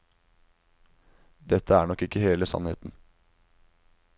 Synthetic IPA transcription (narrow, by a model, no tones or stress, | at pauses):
d̪ɛt̪ʰːəæːɳɔkːɪkːəheːləsɑ̰nhḛːt̪n̩